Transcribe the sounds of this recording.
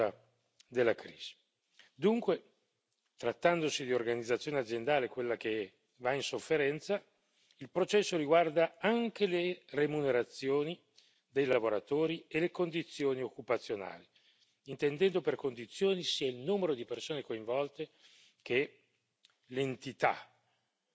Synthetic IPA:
a | d̪elːakɾiːz̥i̥ | d̪uŋkwe | t̪ɾat̪ːand̪osid̪iorɡanid̪zːat̪sjoːnead̪zːjend̪aːlekwelːake | vainsofːeɾɛnt̪sa | ilpɾot͡ʃɛsːoɾiɡward̪aaŋkeleremuneɾat̪sːjoːni | d̪ejlaavoɾat̪oːɾielekond̪it̪sːjoːniokːupat̪sːjona̰ːli | int̪end̪ɛnd̪operkond̪it̪sːjoːnisiːailnumeɾod̪ipersoːnekoiɱvɔlt̪e | ke | lent̪it̪a̰

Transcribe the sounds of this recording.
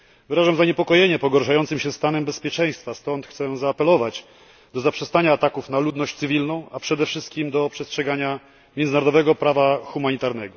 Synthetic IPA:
vɘɾaʐamzaɲɛpɔkɔjeɲɛpɔɡɔɾʂajɔnt̪sɨmɕɛst̪anɛmbɛspʲjɛt͡ʂɛ̃j̃st̪fast̪ɔnt̪xt̪sɛzaːpɛlɔvat͡ɕ | d̪ɔzapʂɛst̪aɲaːt̪akufnalud̪nɔɕt͡ɕt̪sɘvʲilnɔ̃w̃apʂɛd̪ɛfʂɘst̪kʲimd̪ɔpʂɛstʂɛɡaɲa | mʲjɛnnaɾɔd̪ɔvɛɡɔpɾavaxumaɲit̪aɾnɛɡɔ

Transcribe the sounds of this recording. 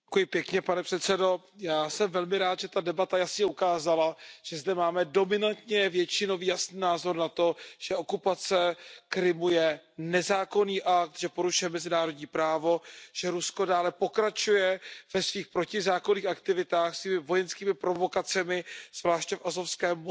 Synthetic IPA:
ɛkujɪpjɛkɲɛpanɛpr̥ɛt̪sɛdo̞ | jaːsɛmvɛlmɪɾaːt̪ʒɛt̪adɛbat̪ajasɲɛukaːzalaʒ̥ɛzdɛmaːmɛdo̞mɪnant̪ɲɛvjɛt͡ʃɪno̞viːjasniːnaːzo̞ɾnat̪oʒ̥ɛʔo̞kupat͡sɛkɾɪmujɛnɛzaːko̞niːʔak̚t̪ʒɛpo̞ɾuʃujɛmɛzɪnaːɾo̞dɲiːpɾaːvo̞ʒ̥ɛɾusko̞daːlɛpo̞kɾat͡ʃujɛvɛsviːxpɾo̞cɪzaːkoniːxakt̪ɪvɪt̪aːxsviːmɪvo̞jɛnskiːmɪpɾo̞vo̞kat͡sɛmɪz̥vlaːʃcɛfʔazofskɛːm

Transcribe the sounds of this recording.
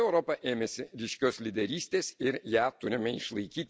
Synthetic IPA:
ɛʊɾoːpɐʔeːmʲɛsʲɪɾʲiːʃʲkʲoːslʲɪd̪ʲɛɾʲiːsʲt̪ʲeːsɪɾjæːt̪ʊɾʲɪmʲɛɪʃlˠɐɪkʲiːt̪ʲ

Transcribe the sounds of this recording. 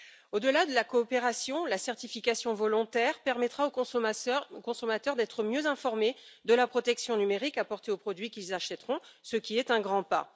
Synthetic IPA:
od̪əlad̪əlakɔːpeʁasjɔ̃lasɛʁt̪ifikasjɔ̃vɔlɔ̃t̪ɛʁpɛʁmɛt̪χaõ | okɔ̃sɔmat̪œʁd̪ɛt̪χəmjøzɛ̃fɔʁmed̪əlapχɔt̪ɛksjɔ̃nymeʁikapɔʁt̪eopχɔd̪ɥikʲilzaʃɛt̪ʁɔ̃səkʲiɛt̪ɛ̃ɡʁɑ̃pa̰

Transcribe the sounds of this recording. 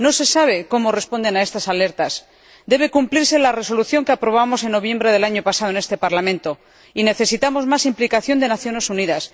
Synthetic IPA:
no̞se̞saβ̞e̞ko̞mo̞re̞spo̞nd̪e̞nae̞st̪asale̞ɾt̪as | d̪e̞β̞e̞kumpliɾse̞lare̞so̞luθjo̞ŋkeapɾo̞β̞amo̞se̞nːo̞βje̞mbɾe̞ðe̞laɲo̞pasað̞one̞st̪e̞paɾlamẽnt̪o̞ | ine̞θe̞sit̪amo̞zmasimplikaθjo̞nd̪e̞naθjo̞ne̞suniðas

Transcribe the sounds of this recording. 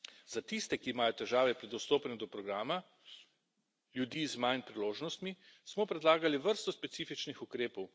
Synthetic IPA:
zat̪ist̪ɛkiːmaːjɔt̪ɛʒaːʋɛpɾɛd̪ɔst̪oːpnɛd̪ɔpɾɔɡɾaːma | ljud̪iːzmajnpɾiloːʒnɔst̪mismɔpɾɛd̪laːɡaliʋəɾst̪ɔspɛt̪siːfit͡ʃnixukɾeːpɔw

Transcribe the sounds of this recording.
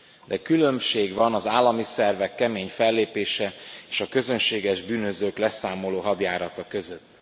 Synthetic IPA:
d̪ɛkylø̞mʃeːɡvɒnɒzaːlːɒmisɛrvɛkːɛmeːɲfɛlːeːpeːʃɛeːʃɒkø̞zø̞nʃeːɡɛʒbyːnø̞zøːklɛsaːmo̞loːɦɒd̪jaːɾɒt̪ɒkø̞zø̞t̪ː

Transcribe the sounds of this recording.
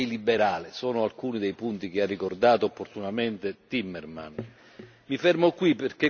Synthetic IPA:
jlibːeɾaːlesɔːnoalkuːnid̪ejpunt̪ik̟earːikord̪aːt̪oopːort̪unament̪et̪imːɛrma̰n | mifɛrmokːwipːerk̟e

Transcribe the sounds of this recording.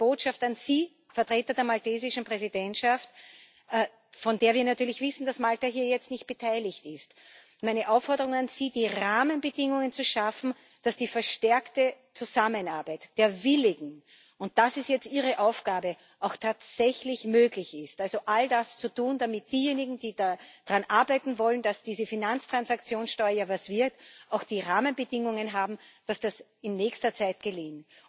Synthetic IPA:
b̥oːtʃaftanz̥iː | fɛɐtʁ̥eːtɐdeːɐmalteːzɪʃn̩pʁ̥ɛzidɛntʃaftː | fɔndeːɐviːɐnatʰyːɐlɪçv̥ɪsn̩d̥asmaltaɦiːɐjɛt͡stnɪçt̚b̥ətʰaɪlɪçtɪst | mæɪnəʔaʊfːɔɐdəʁʊŋanz̥iːd̥iːʁaːmənbədɪŋʊŋənt͡suʃafn̩ | d̥asd̥iːfɛɐʃtɛɐktə | t͡suzamənaɐbæɪtd̥eːɐvɪlɪɡŋ̩ | ʊnt̚d̥asɪstjɛt͡stʔiːʁ̞əʔaʊfɡ̥aːbə | ʔaʊxtʰaːtz̥ɛçlɪçmøːɡlɪçɪstʔalzoʔaldast͡sutuːnd̥amɪt̚d̥iːjeːnɪɡŋ̩diːdad̥ʁanʔaɐbaɪtn̩vɔlənd̥asd̥iːzəfinant͡stʁ̥ansakt͡sjoːnsʃtɔʏavasv̥ɪɐtʔaʊxd̥iːʁaːmənbədɪŋʊŋənɦaːbm̩d̥asd̥as | ɪnːɛːçstɐt͡saɪt̚ɡ̥əliːŋ

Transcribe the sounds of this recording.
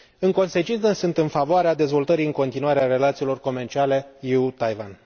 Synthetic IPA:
ɨŋko̞nse̞t͡ʃint̪səsɨnt̪ɨnfavoaɾead̪e̞zvo̞lt̪əɾijɨŋko̞nt̪inuaɾeare̞lat̪siːlo̞rko̞me̞rt͡ʃiale̞jiut̪ajvan

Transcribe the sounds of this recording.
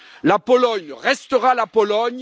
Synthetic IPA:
lapolɔɲʁɛst̪əʁalapolɔɲ

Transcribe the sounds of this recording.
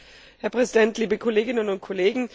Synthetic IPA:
hɛɐpʁ̥ɛzidɛntʰliːbəkʰoleːɡɪnənʊnt̚kʰoleːɡŋ̩

